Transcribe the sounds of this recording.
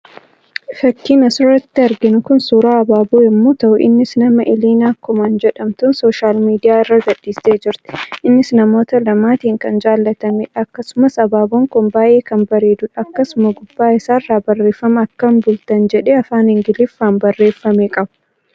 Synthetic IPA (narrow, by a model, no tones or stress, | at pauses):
fɐkːiːnɐsʊɾɐt̪ːɪɐɾɡɪnʊkʊnsuːɾaːɐbaːbuːɪmːoːt̪ɐʔʊʔɪ̰nːɪsnɐmɐʔɪliːnaːkʊmɐnd͡ʒɛᶑɐmt̪ʊnso̞ːʃaːlmiːd̪ɪjaːɪrːaɡɐdːiːsːeːd͡ʒɪɾt̪ɪ̥ʔɪnːɪsnɐmo̞ːt̪ɐlɐmaːt̪iːŋkɐnd͡ʒaːlːɐt̪ɐmeᶑɐkːɐsʊmɐsɐbaːboːŋkʊnbaːjʔe̞ːkɐmbɐɾeːd̪ʊᶑɐɐkːɐsʊmɐɡʊbːaːɪsaːrːaːbɐrːe̞ːfːɐmɐɐkːɐmbʊlt̪ɐnd͡ʒɛᶑeːɐfaːnhɪŋɡɪlɪfːaːnbɐrːe̞ːfːɐmeːkʼɐbʊ̥